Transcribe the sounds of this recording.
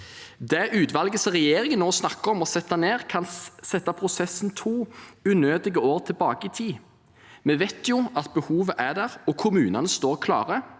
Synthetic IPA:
d̪ɛʔʉːt̪ʋɑlɡəsʁɛjeːɾɪŋənːoːsnɑkːəɾɔmɔsɛt̪ːɑneːʁkʰɑnsɛt̪ːɑpʰʁʊsɛsn̩t̪ʰuːʉnøːd̪ɪɡəoːʁt̪ʰɪlbɑːɡəit̪ʰiː | mɛʋɛt̪jʊɑt̪bəhuːʋəʔæd̪æʁɔkʰʊmʉːnɑnəst̪oːʁkʰlɑ̰ːʁə

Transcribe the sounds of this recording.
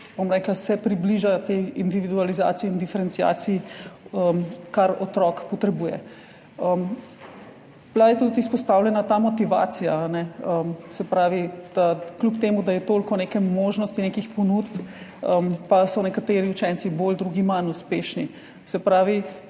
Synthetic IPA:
b̥omɾɛːklasɛpɾibliʒat̪eind̪iʋid̪ualiza̰ːt̪siɛːnd̪ifɛɾɛnt̪sija̰ːsiiəmkaɾɔt̪ɾɔkpɔt̪ɾɛbuːjɛ̰ | əm | b̥lajɛt̪ut̪ispɔst̪aːwlʲɛnat̪aːmɔt̪iʋa̰t̪sijaːnɛəmsɛpɾaːʋid̪̥aklupt̪eːmud̪ajɛt̪oːlkɔnekɛmoːʒnɔst̪inekixpɔnut̪pəmpasɔnɛkat̪eːɾiut͡ʃɛnt̪sibold̪ɾuːɡimanuspeːʃni | sɛpɾaːʋi

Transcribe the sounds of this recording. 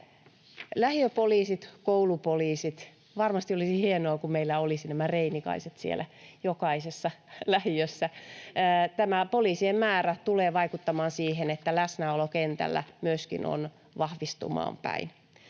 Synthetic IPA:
læhiøpoliːsit̪koulupoliːsit̪ | ʋɑrmɑst̪iolisihienoːkummeilːæolisinæmæreinikɑ̰iset̪siḛlʔæjokɑisesːɑlæhijøsːæː | t̪æmæpoliːsiemmæːræt̪uleːʋɑikut̪ːɑmɑːnsiːhenet̪ːælæsnæolokent̪æ̰lːæ̰myøskḭno̰n | ʋɑhʋist̪ṵmɑ̰ːmpæ̰in

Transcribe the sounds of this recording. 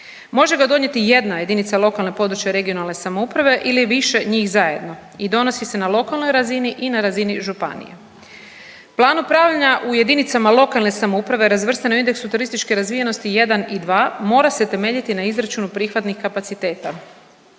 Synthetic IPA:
mo̞ʒe̞ɡad̪o̞ɲje̞t̪ije̞d̪naje̞d̪init̪salˠo̞kalne̞po̞d̪ɾut͡ɕjeɾe̞ɡio̞nalˠne̞samoupɾaʋe̞ʔiliʋiʃe̞ɲiːxzaje̞d̪no̞ | id̪o̞no̞sise̞nalˠo̞kalˠno̞jɾaziniʔinaɾaziniʒupa̰nḭjḛ | plˠaːnupɾaːʋʎaɲaʔuje̞d̪init̪samalˠo̞kalˠne̞samoupɾaʋe̞ɾazʋr̩st̪anuind̪e̞ksut̪uɾist̪it͡ʃke̞ɾazʋije̞no̞st̪ije̞d̪anid̪ʋaːmo̞ːɾase̞t̪e̞me̞ːʎit̪inaizɾat͡ʃunupɾixʋat̪nixkapat̪sit̪e̞ːt̪a

